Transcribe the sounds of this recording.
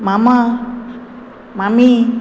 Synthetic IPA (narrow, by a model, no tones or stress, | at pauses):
mama | mami